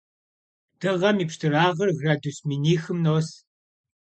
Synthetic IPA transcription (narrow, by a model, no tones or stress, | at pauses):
d̥ɨʁɐmiːpʂtʰɨraːʁɐrɣraːdusminiːxɨmnoːs